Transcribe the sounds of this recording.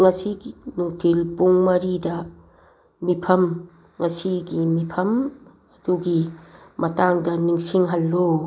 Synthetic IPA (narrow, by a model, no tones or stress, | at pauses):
ŋɐsiɡinuŋtʰilpuŋmɐɾidɐ | mipʰɐm | ŋɐsiɡimipʰɐm | ɐduɡimɐtaŋdɐniŋsiŋɦɐlːo